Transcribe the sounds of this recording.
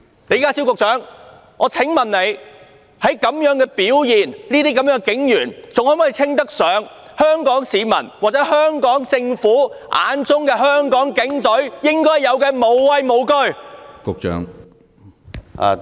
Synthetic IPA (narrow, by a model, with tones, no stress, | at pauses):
ne˨˧jkaː˥si˥wkʊ˨k̚t͡sœː˨˥ŋ | ʔɔː˨˧t͡sʰɪ˨˥ŋmɐ˨nle˨˧j | hɐ˨˥jkɐ˨˧˥mjœː˨˥ŋkɛː˧piː˨˥wjiː˨nniː˥t̪iː˥kɐ˨˦mjœː˨˥ŋkɪ˨˥ŋjyː˨˩nt͡sʊ˨ŋhɔː˨˥mɔː˨˥˨i˧t͡sʰɪ˥ŋt̪ɐ˥k̚sœː˨˥ŋ | hœː˥ŋkɔː˨˥ŋsiː˨˧mɐ̰˨˩nwaː˨˩t͡sɛː˨˥hœː˥ŋkɔː˨˥ŋt͡sɪ˧ŋfuː˨˥ʔa̰ː˨˧nt͡sʊ˥ŋkɛː˧ɦœː˥ŋkɔː˨˥ŋkɪ˨˥ŋt̪ɵ˨˥ɥjɪ˥ŋkɔː˥jːɐ˨˧wkɛː˧mo˨wwɐ˧jmo˨˧wkɵ˥ɥkʊ˨k̚t͡ʃœ̰ː˨˥ŋ˨